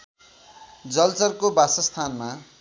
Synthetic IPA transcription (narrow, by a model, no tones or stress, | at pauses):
d͡zʌlt͡sʌrkobasʌst̪ʰanma